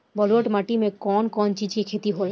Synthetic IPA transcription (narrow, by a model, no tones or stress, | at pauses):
bɔloʈmaʈimekɔnkɔnt͡ʃit͡ʃʰikʰet̪iɦol